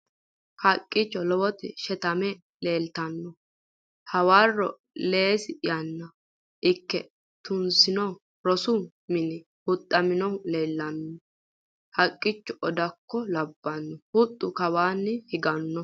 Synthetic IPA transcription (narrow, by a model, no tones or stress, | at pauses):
hɐkʼːɪt͡ʃːɔlɔwɔt̪ɪʃɛt̪ɐmɛ | leːlt̪ɐnːɔ | hɐwaːrɔ̰ | le̞ːsɪjɐnːɐ | ʔɪkːɛ | t̪ʊnsɪnɔ | ɾɔsʊ | mɪnɪ | hʊt̪ʼːɐmɪnɔle̞ːlːɐnːɔ | hɐkʼːɪt͡ʃːɔʔɔd̪ɐkːɔlɐbːɐnːɔhʊt̪ʼːʊkɐwaːnːɪhɪɡɐnːɔ